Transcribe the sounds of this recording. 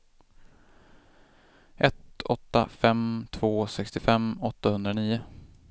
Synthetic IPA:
ʔɛt̪ɔt̪ːa̰fɛmt̪ʰv̥oːsɛkst̪ɪfɛmːɔt̪ːahɵnd̪ɾaniːʊ

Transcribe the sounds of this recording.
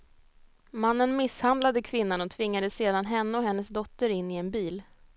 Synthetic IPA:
manːənmɪshand̪lad̪əkʰvɪnːanɔt̪ʰvɪŋːad̪əseːd̪anɦɛnːəɔɦɛnːəsd̪ɔt̪ːəɾɪnːɪɛnbiːl

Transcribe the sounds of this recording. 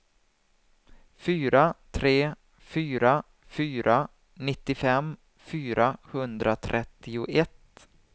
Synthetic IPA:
fyːɾat̪ʰɾeː | fyːɾa | fyːɾʔa | nɪt̪ːɪfɛm | fyːɾahɵnd̪ɾat̪ʰɾʔɛt̪ːɪʊʔɛt̪

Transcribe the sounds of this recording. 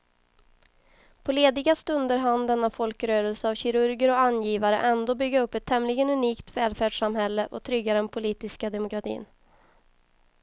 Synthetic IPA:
pʰɔleːd̪ɪɡast̪ɵnd̪əɾɦand̪ɛnːafɔlkɾøːɾəlsəavɕɪɾɵɾɡəɾɔanjiːvaɾə̰ʔɛnd̪oːbʏɡːaɵpːɛt̪ʰːɛmlɪɡənɵniːkt̪vɛːlfæːɖʂamhɛlːəʔɔt̪ʰɾʏɡːaɾd̪ɛnpʰʊliːt̪ɪskad̪ɛmʊkɾat̪ʰḭːn

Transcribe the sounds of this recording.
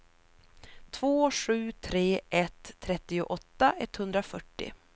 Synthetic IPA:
t̪ʰv̥oːʂʉ̟ːt̪ʰɾeːʔɛt̪ʰːɾɛt̪ːɪʊʔɔt̪ːaʔɛt̪hɵnd̪ɾafœʈːɪ̰

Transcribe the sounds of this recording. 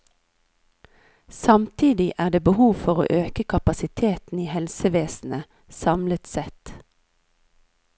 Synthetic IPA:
sɑmt̪ʰiːd̪ɪʔæːd̪eːbəhuːʋfɔʁo̰ːʔøːkəkʰɑpɑsɪt̪ʰeːt̪n̩iːhɛlsəʋeːsn̩ə | sɑmlət̪sɛt̪

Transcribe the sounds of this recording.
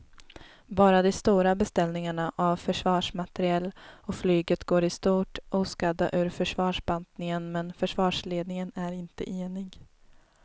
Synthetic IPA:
bɑːɾad̪ɛst̪uːɾabɛst̪ɛlnɪŋaɳaʔavfœʂvɑːʂmat̪ɛɾɪɛlːɔflyːɡət̪ɡoːɾɪst̪uːʈʔuːskad̪a̰ʔʉ̟ːɾfœʂvɑːʂbant̪nɪŋənmɛnfœʂvɑːʂleːd̪nɪŋənæɾɪnt̪ə̰ʔeːnɪɡ

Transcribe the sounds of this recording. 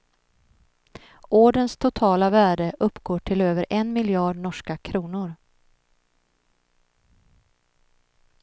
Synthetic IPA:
ʔoːɖənst̪ʰʊt̪ʰɑːlavæːɖəʔɵpːɡoːʈʰɪløːvəɾʔɛnmɪljɑːɖɳɔʂkakʰɾuːnʊɾ

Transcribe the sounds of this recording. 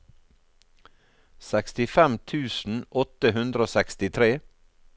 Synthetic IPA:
sɛkst̪ɪfɛmt̪ʰʉːsn̩ɔt̪əhʉnd̪ɾəoːsɛkst̪ɪt̪ʰɾeː

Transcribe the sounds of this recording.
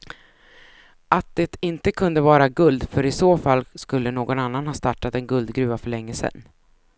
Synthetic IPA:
ʔat̪̚d̪̥ɛt̪ɪnt̪əkʰɵnd̪əvɑːɾaɡɵld̪fœɾɪsoːfalːskɵlːənoːɡɔnanːanhɑːst̪aʈːat̪ɛnɡɵld̪ɡɾʉ̟ːvafœɭɛŋːəsɛ̰nː

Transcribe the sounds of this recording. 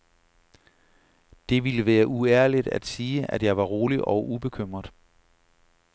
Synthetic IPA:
d̥e̝ʋiləʋæːɐʔuæɐlid̥æ̰d̥siːʔæd̥jɑ̈ɪʋɑ̈ʁo̝ːliʔɒʊʔub̥e̝kʰøm̰ʁɐd̥ˠ

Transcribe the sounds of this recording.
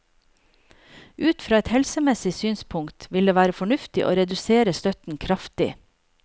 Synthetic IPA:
ʔʉːt̪fɾɑːɛt̪hɛlsəmɛsɪsyːnspʰʊŋkt̪ʋɪld̪eːʋæːɾəfɔɳʉft̪ɪʔo̰ːɾɛd̪ʉseːɾəst̪œt̪n̩kʰɾɑft̪ɪ

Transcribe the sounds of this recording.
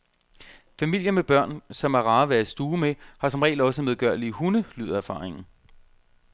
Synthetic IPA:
fæmil̰jənmeb̥ɶɐ̰nsɒ̽mæʁɑ̈ːʋæɐisd̥uːmehɑ̈sɒ̽mʁɛ̰ːlɒ̽s̬əmeð̞ˠɡ̥ɶɐ̰lihunəly̰ːð̰ˠæɐfɑ̰̈ːʁeŋn̩

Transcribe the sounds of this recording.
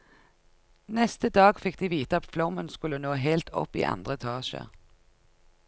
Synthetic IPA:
nɛst̪əd̪ɑːɡfɪk̚d̪iːʋiːt̪əɑt̪flɔmənskʉlənoːɦeːlt̪ʰɔ̰pḭːʔɑ̰nd̪ʁəɛt̪ʰɑːʃə̰ʁ

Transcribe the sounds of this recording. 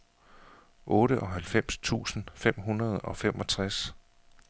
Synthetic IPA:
ʔɔːɾəʔɒ̽ɦælfem̰st͡sʰṵːsn̩fem̰ɦunɐð̞̩ˠɒ̽fem̰ʔɒ̽t͡sʰʁas

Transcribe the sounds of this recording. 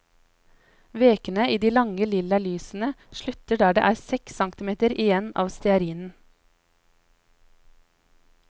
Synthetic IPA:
ʋeːkənəʔiːd̪iːlɑŋəlɪlɑlyːsn̩əʃlʉt̪əɖæːɖḛːʔæːɾsɛksɑŋkt̪ɪmeːt̪əɾɪjɛnɑ̰ːʋst̪ɛɑɾiːnn̩

